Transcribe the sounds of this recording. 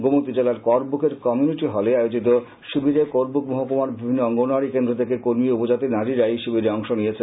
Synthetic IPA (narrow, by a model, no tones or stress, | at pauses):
ɡomot̪ːid͡ʑelaɾkɔɾbukʰeɾkɔmijuniʈiɦɔleaeod͡ʑit̪o | ʃubiɾekoɾbukmoɦokomaɾbibʱinːoɔŋɡonoaɽikend̪ɾot̪ʰekekoɾmiupod͡ʑat̪inaɾiɾajʃubiɾeɔŋʃonijet͡ɕʰe